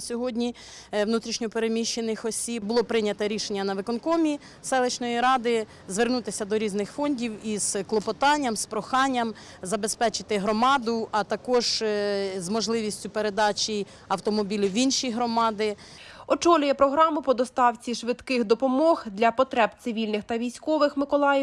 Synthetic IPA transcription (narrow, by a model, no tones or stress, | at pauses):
sʲɔɦɔdʲnʲi | wnut̪ɾʲiʃnʲɔpeɾemʲiʃt͡ʃːenɪxɔsʲibbʊlˠɔpɾɪnʲɐt̪ɛɾʲiʃenʲːɐnɐʋɪkɔnkɔmʲi | sɛlˠet͡ʃnɔjiɾɑd̪ɪ | zʋernut̪ɪsʲɐd̪ɔɾʲiznɪxfɔnʲdʲiwiz̥klˠɔpɔt̪ɑnʲːɐmspɾɔxɑnʲːɐm | zɐbespɛt͡ʃɪ̥t̪ɪɦɾɔmɑd̪ʊʔɐt̪ɐkɔʒ | zmɔʒlˠɪʋʲisʲtʲʊpeɾed̪ɑt͡ʃʲij | ɐwt̪ɔmɔbʲilʲiʋinʃijɦɾɔmɑd̪ɪ | ɔt͡ʃɔlʲʊjɛpɾɔɦɾɑmʊpɔd̪ɔst̪ɑwt͡sʲiʃʋɪd̪kɪxd̪ɔpɔmɔxd̪lʲɐpɔt̪ɾɛbt̪sɪʋʲilʲnɪxt̪ɐʋʲijsʲkɔʋɪxmɪkɔlˠɑjɛw